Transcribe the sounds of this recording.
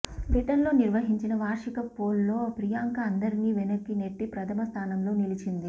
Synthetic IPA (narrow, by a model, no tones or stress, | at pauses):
piʈɐɾlo̞ːniɾʋɐɦiɲt͡ʃinɐʋaːɾʂikɐpoːlːo̞ːpɾijaːŋkɐɐnd̪ɐɾiniːʋenɐkːineʈːipɾɐt̪ʰɐmɐst̪ʰaːnɐmlo̞ːnilit͡ʃind̪i